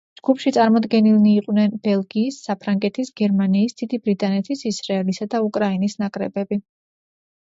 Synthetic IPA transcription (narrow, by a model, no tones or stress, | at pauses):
d͡ʒɡ̥upʰʃit̪sʼaɾmɔd̪ɡɛnilˠniːqʼwnɛnbɛlˠɡiːsːapʰɾaŋɡɛt̪ʰisɡɛɾmaniːsd̪̥id̪ibɾit̪ʼanɛt̪ʰisisɾaɛlisad̪aukʼɾainisnakʼɾɛ̰bɛbi